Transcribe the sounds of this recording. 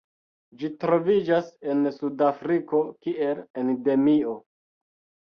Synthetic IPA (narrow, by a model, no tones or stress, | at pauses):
d͡ʒitɾo̞vid͡ʒase̞nsudafɾiko̞kie̞lende̞mio̞